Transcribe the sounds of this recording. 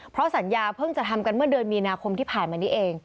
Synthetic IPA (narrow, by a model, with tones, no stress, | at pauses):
pʰɾɔ˦˥sa˩˦njaː˧pʰɤ˥˩ŋt͡ɕa˨˩t̪ʰa˧mka˧nmɯ˥˩ɐdɯ˧ənmiː˧naː˧kʰo˧mt̪ʰiː˥˩pʰaː˨˩nmaː˧niː˦˥ʔeː˧ŋ